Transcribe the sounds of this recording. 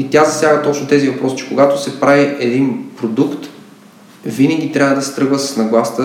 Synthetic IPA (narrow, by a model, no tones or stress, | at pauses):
it̪ʲazɐsjaɡət̪ɔt͡ʃnot̪ɛzivɐpɾɔsi̥t͡ʃɛ̥koɡat̪ʊsɛpɾaviʔɛd̪inpɾod̪ukt̪ | vinəɡʲit̪ɾʲjavəd̪ɐsɛ̥t̪ɾɤɡvəsə̥snɐɡlˠast̪ə